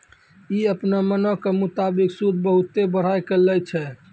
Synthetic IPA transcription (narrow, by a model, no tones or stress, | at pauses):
iəpnamənokemut̪abiksud̪ʱbəɦut̪ːebəɽ̤ajkelɛjt͡ʃʰɛ